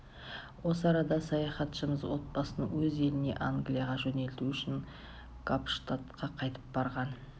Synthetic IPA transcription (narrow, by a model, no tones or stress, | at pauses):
wo̞səɑɾɑd̪ɑsɑjɑχɑt̪ʃəməzwo̞t̪̚bɑsənəwɵze̞lɪne̞̰ʔaŋɡlʲijaʁɑʒɵne̞lt̪uʏʃɪŋ | kʰapʃt̪at̪qɑqʰɑjt̪əp̚bɑɾʁɑn